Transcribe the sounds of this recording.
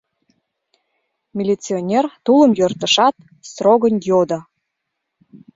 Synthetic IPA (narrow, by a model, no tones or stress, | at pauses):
mʲilʲit͡sionʲert̪uləmjørt̪ə̆ʃɑt̪̚ | st̪roɣənjod̪ə